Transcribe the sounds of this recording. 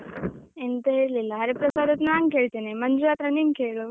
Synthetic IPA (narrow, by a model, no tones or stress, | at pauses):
ent̪əɦelelaɦəɾepɾəsad̪ət̪naŋɡkeɭt̪enemənd͡ʒuɾat̪ɾəniŋɡkʰeɭo